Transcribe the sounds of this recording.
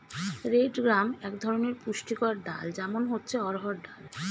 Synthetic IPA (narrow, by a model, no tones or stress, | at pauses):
ɾeɖɡɾamɛkd̪ʱɔɾoneɾpuʃʈikɔɾɖa̰ld͡ʑɛmonɦotːɕʰeɔɾɦɔɾɖal